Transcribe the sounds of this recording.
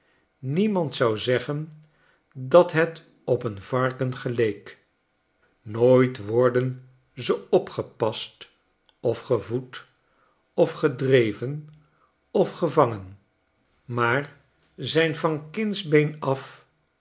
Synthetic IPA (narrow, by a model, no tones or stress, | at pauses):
nimɑntsɑwzɛχən | dɑtɦɛt | ɔpənvɑɹkənχəlejk | noːjtʋɔɹdən | zəɔpχəpɑst | ɔfχəvut | ɔfχədrejvən | ɔfχəvɑŋən | maːr | zɛjnvɑnkɪnzbejnɑf